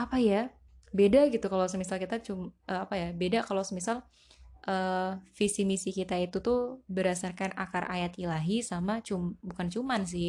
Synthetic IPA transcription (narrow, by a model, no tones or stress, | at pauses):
apaja | bedaɡit̪ukalaws̬əmisalkit̪at͡ʃumʔəapajabedakalowsəmisal | ʔəːfisimisikit̪ait̪ut̪ubəɾasarkana̰karʔa̰jat̪ilaɦisamat͡ʃumbukant͡ʃumans̬ɪ